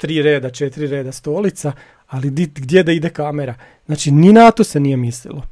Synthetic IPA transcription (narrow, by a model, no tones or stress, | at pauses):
t̪ɾiːɾe̞ːd̪at͡ʃet̪iɾiɾe̞ːd̪ast̪oːlit̪sa | alid̪iɡd̪ʲjed̪aid̪ekameɾa | znaːt͡ʃininat̪ose̞nije̞mislḭlo